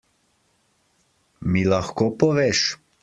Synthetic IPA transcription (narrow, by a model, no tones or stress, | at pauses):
milaxkoːpɔʋeʃ